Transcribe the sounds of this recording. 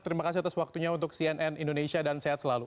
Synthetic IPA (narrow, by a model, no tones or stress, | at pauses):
t̪əɾimakasiat̪aswak̚t̪uɲaunt̪ʊksiɛnʔɛnindonesiadanseɦat̪səlalu